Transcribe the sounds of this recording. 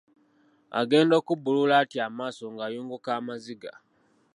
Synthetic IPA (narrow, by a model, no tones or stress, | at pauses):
a̰ɡe̞ːndo̞ːkubululaːtiamaːsoŋɡajuːŋɡukaːmaziɡa̰